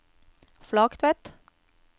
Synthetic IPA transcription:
flɑːkt̪ʰʋɛt̪

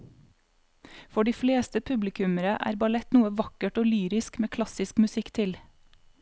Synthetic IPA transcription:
fɔɖiːfleːst̪əpʰʉblɪkʰʉməɾəʔæ̰ːɾbɑlɛt̪nuːəʋɑkəʈoːlyːɾɪskmeːkʰlɑsɪskmʉsɪkt̪ʰɪl

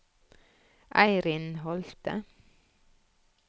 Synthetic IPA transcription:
ʔæɪɾɪnhɔlt̪ə̰

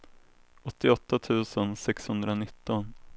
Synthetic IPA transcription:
ɔt̪ːɪɔt̪ːat̪ʰʉ̟ːsənsɛkshɵnd̪ɾanɪt̪ːɔn

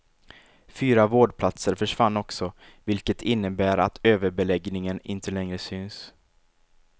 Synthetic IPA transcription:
fyːɾavoːɖpʰlat̪səɾfœʂvanːɔksɔ | vɪlkət̪ʰɪnːəbæːɾa̰t̪ʰøːvəɾbɛlɛɡnɪŋənɪ̰nt̪ʰəlɛŋɾəsʏns

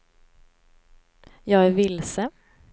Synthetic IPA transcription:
jɑːɡæɾvɪlsə

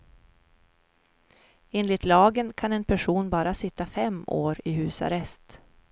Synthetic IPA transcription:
eːnlɪt̪lɑːɡənkʰanɛnpʰæʂuːnbɑːɾasɪt̪ːafɛmːoːɾɪɦʉ̟ːsa̰ɾɛst̪

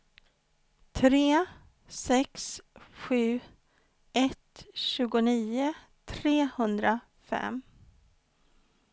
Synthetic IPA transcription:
t̪ʰɾeː | sɛksɧʉ̟ː | ɛt̪ɕʉ̟ːɡʊniːʊ | t̪ʰɾeːhɵnd̪ɾa | fɛ̰m

